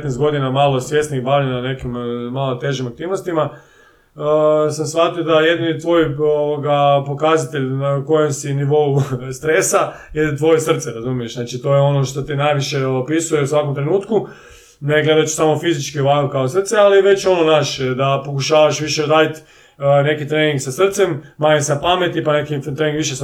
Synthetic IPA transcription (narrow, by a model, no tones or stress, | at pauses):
t̪nest̪ɡo̞d̪inamalˠo̞sʋje̞st̪niibaʋʎʲenane̞kimmalot̪e̞ʒimak̚t̪iːʋnost̪ima | samsʋat̪iod̪aje̞d̪init̪ʋo̞joʋoɡapo̞kazat̪e̞ʎnako̞je̞msiniʋo̞ust̪ɾe̞saje̞t̪ʋo̞jesr̩t̪seɾazumije̞ʃnaːt͡ʃit̪o̞jeo̞noʃt̪o̞t̪inajʋiʃeopisuje̞usʋako̞mt̪ɾe̞nuːt̪ku | neɡle̞d̪at͡ʃsamo̞fizit͡ʃkioʋakokaosr̩t̪sealiʋe̞t͡ɕo̞nonaʃd̪apo̞kuʃaːʋaʃʋiʃeod̪aːlit̪ | ne̞kit̪ɾeːniŋɡksasr̩t̪se̞mmaːɲeseapame̞t̪ipanekit̪ɾeniŋɡʋiʃes